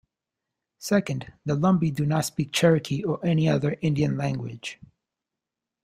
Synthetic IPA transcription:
sɛkɨ̃nd̪ðəlʌ̃mbidɨnətspik̚t͡ʃʰɛɹɨkʰiəʔɛniʌðə˞ʔɪ̃ndiɨ̃nlæ̃ŋɡwɪ̰d̥ʒ̥

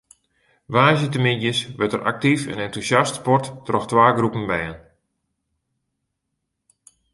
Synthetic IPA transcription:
ʋaːzjətəmɪnjəsʋɛtərʔa̰k̚tifə̰nɛntusjastpɔrtːrɔxtʋaːɡrupənbɛjən

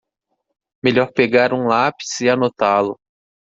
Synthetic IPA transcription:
meʎɔɾpeɡaɾũlapi̥sɪanot̪alʊ

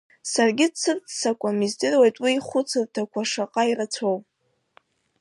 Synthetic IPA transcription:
sarɡʲɪt͡sʰːɨrt͡ssakʷʼamizdɨrwejtʼwiːχʷʊt͡sʰɨrtʰakʷʰaʂaqʼairat͡sʰowpʼ

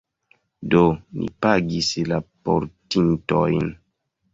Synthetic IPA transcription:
donḭpaɡislapo̰ɾtintojn

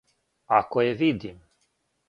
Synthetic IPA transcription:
akojevid̪im

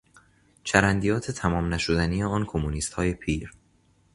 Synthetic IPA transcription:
t͡ʃʰæɾænd̪ijɒːt̪ʰe̞t̪ʰæmɒːmnæʃod̪æniːje̞ɒːnkʰomuniːst̪hɒːje̞pʰiːɾ

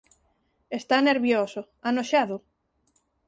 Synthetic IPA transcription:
est̪aneɾβjoso | anoʃaðʊ

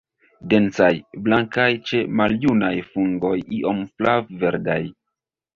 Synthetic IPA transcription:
de̞nt͡sajblaŋkajt͡ʃe̞maljunajfuŋɡo̞jiʔo̞mflavve̞ɾda̰j

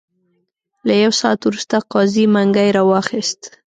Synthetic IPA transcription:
lajawsɑat̪wɾust̪aqɑzimaŋɡajɾɑwɑxist̪

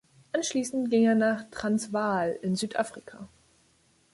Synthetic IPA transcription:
ʔanʃliːsn̩tɡ̥ɪŋeːɐnaːχtʁ̥ansv̥aːlɪnzyːtʔaːfʁ̥ikʰaː

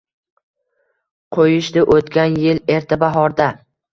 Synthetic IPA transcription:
qʰojɪʃd̪ɪʔot̪kʲanjɪle̞ɾt̪ʰabaɦɒɾd̪a

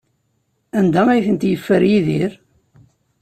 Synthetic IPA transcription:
ænd̪æmæjθənt̪jəfːəɾjiðiɾ

